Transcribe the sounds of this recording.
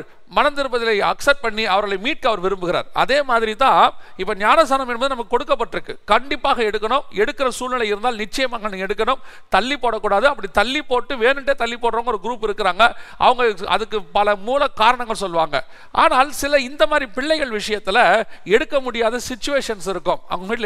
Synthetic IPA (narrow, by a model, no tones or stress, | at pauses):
ɾ | mɐnɐnd̪ɪɾɯbɐðɪlɐɪɐksɐp̚ʈ̚pɐɳːiɐʋɐɾɣɐɭɐɪmiːʈ̚kɯɐʋɐɾʋɪɾɯmbɯɣɪɾa̰ːɾɐ̰ðeːmaːðɪɾit̪ãːɪpːɐːɲaːnɐsaːnɐmɛnbɐðɯnɐmːɐkːɯkːɔɽɯkːɐpːɐʈːɾɯkːɯkɐɳɖɪpːaːɣɐɛɽɯkːɐɳʊmɛɽɯkːɪɾɐsuːlnɪlɐɪɪɾɯnd̪aːlnɪt͡ʃːɐjɐmaːŋɡɐnːɯɛɽɯkːɐɳɯm | t̪ɐlːipoːɽɐkːuːɽaːðɯɐpːɐɽit̪ɐlːipoːʈːɯʋeːnɯɳʈːeːt̪ɐlːipoːʈɾoːŋɡɐɔɾɯɡɾuːpɪɾɯkːɪɾaːŋɡɐʔɐ̰ʋɐŋɡɐɐ̰ðɯkːɯpɐlɐmuːlɐkaːɾɐɳɐ̃ŋɡɐɭsɔlʋaːŋɡɐ | ʔa̰ːnaːlsɪlɐɪnd̪ɐmaːðɾipɪɭːɐɪɣɐɭʋɪʂɐjɐt̪ːɪlɐɛɽɯkːɐmʊɽɪjaːðɐsɪt͡ʃːʊʋeːʂɐnsɪɾɯkːɯmɐ̰ɐmiːʈl